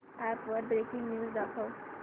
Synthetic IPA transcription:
æpʋəɾɖbɾekĩŋɡnjuːzd̪akʰəw

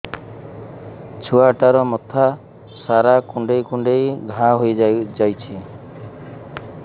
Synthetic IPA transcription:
t͡ʃʰuaʈaɾɔmɔt̪ʰa | saɾakuɳɖejkuɳɖejɡʱãɦojd͡ʒajt͡ʃʰi

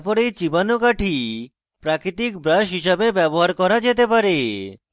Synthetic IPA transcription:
pɔɾejt͡ɕibanokaʈʰi | pɾakɾit̪ikbɾaʃɦiʃabebɛboɦaɾkɔɾad͡ʑet̪epaɾe

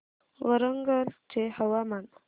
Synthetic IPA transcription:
wəɾəŋɡəlt͡ʃehəwaman

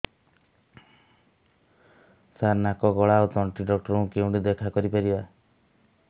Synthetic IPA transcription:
saɾnakɔɡɔɭaut̪ɔɳʈiɖɔk̚ʈɔɾɔũkeũɖid̪ekʰakɔɾipaɾiba

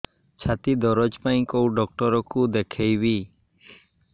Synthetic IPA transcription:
t͡ʃʰat̪id̪ɔɾɔd͡ʒpaj̃kowɖɔk̚ʈɔɾɔkud̪ekʰejbi

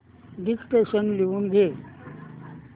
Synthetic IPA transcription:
ɖikʈeɕənleuːnɡʱe

